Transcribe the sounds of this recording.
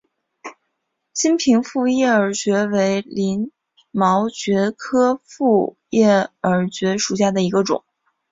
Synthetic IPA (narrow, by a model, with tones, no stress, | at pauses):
ɕi˥npʰi˧˥ŋfu˥˧jɛ˥˩ə˞˧˨˥t͡ɕɥɛ˧˥we˧˥ɪli˧˥n | mɑ˧˥ʊt͡ɕɥɛ˧˥kʰɤ˥fu˥˩ | jɛ˥˩ə˞˨˧˥t͡ɕɥɛ˧˥ʂu˨˩ɕja˥˩d̪ə˩i˧˥ɡə˧ʈ͡ʂʊ̰˨˩˦ŋ